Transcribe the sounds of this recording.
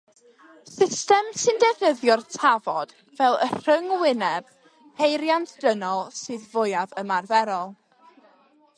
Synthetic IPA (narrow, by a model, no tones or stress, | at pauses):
sɪstɛmsɨndɛvnəðjɔrtʰavɔd̥ | vɛlˠə̰r̥əŋwɪnɛb̥ | hejɾjantʰd̥ənɔlˠsɨːðvʊjavəmarvɛɾɔlˠ